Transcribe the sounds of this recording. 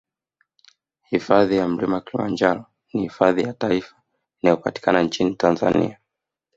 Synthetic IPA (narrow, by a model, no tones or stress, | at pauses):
hifaðijam̩limawakilima̰nd͡ʒaɾɔ | nihifaðijataifḁ | inajɔpati̥kʰanant͡ʃinitanza̰nḭa